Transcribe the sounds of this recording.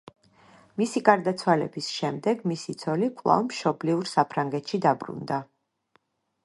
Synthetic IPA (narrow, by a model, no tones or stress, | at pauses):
misiɡaɾd̪at̪sʰwalɛ̰bisʃɛmd̪ɛɡmisit̪sʰɔlikʼlˠa̰vmʃɔbliuɾsapʰɾaŋɡɛt̪ʃid̪abɾṵnd̪a